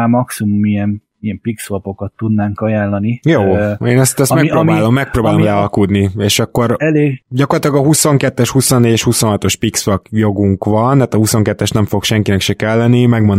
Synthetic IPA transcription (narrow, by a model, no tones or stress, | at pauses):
amɒksimumiɛn | iɛmpiksvopo̞kɒt̪ːud̪naːŋkɒjaːllɒnijoːeːnɛst̪ɛst̪mɛk̚proːbaːlo̞mːɛk̚proːbaːlolɛɒlkud̪nieːʃɒkːo̞ɾɛleːɡɟɒkorlɑt̪ilɒɡɒɦuso̞ŋkɛt̪ːɛʃhuso̞nːeːɟɛʃhuso̞nɦɒt̪o̞ʃpiksvɒkjo̞ɡuŋkʋɒnt̪aːt̪ɒhuso̞ŋkɛt̪ːɛʃnɛɱfo̞kʃɛŋkinɛkʃikɛlːɛnimɛɡmon